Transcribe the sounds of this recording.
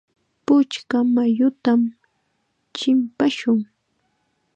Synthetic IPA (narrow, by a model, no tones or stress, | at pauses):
pʊt͡ʃkamajʊt̪am | t͡ʃɪmpaʃʊŋ